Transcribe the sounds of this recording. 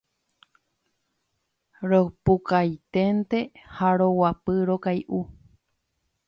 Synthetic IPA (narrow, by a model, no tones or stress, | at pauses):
ɾopukajt̪ent̪e̞haɾowapɨɾokajʔu